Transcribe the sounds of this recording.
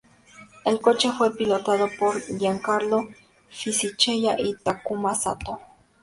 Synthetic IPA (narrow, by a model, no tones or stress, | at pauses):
elko̞t͡ʃe̞fwe̞pilot̪aðopoɾdjaŋkaɾlo | fisit͡ʃejaʔit̪akumasa̰t̪o